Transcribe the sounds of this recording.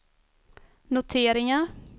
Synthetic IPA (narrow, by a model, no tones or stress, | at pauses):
nʊt̪ʰeːɾɪŋaɾ